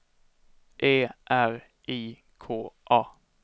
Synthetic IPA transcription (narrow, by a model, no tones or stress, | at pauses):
ʔeːʔæɾ | ʔiː | kʰoːʔɑː